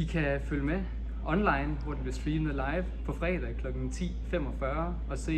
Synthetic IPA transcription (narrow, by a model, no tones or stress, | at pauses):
ikʰæføljəme | ʔɒ̽nlɑ̈ɪnʋɒd̥enb̥e̝sb̥liːn̩ˠlɑ̈ɪʋpʰɒ̽fʁɛ̰ːd̥ɛ̰kʰlɒ̽ɡ̥n̩t͡sʰḭːfem̰ɒ̽fɶɐ | ɒ̽se̝̰ː